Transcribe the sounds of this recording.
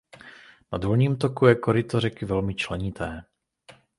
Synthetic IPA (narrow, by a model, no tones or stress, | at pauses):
nadɦolɲiːmt̪okujɛkoɾɪt̪oɾɛkɪvɛlmɪt͡ʃlɛɲɪt̪ʰɛː